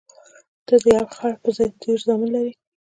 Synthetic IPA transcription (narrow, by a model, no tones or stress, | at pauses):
d̪̥əd̪əjɑwxɑɽpəzɑjd̪eɾzɑmunlaɾi